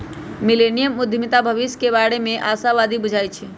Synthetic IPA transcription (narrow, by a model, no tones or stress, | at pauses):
milenijəmud̪ʱjəmit̪abʱəʋiskebaɽemeʔasaβad̪ibud͡ʒʱaj̪t͡ʃʰɛ